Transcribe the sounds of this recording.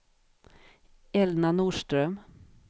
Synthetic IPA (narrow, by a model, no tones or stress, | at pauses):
ɛlnanuːʂʈɾœm